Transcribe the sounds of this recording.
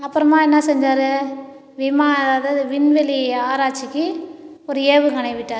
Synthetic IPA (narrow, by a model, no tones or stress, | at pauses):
ɐpːɯɾɐmaːɛnːɐsɛɲd͡ʒaːɾɯ | ʋɪmaːðaːðɐðɯʋɪnʋɛliaːɾaːt͡ʃːɪkːɯɔɾɯeːʋɯkɐɳɐɪʋɪʈːaːɾ